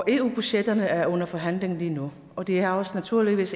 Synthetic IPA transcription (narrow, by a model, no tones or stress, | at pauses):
e̝ːṵːb̥y̥ɕed̥ɐnəæɐɔ̽nɐfɒɦæn̰le̝ŋn̩liːnu | ɒ̽d̥e̝ææɒ̽snæt͡sʰuɐ̰liʋḭːs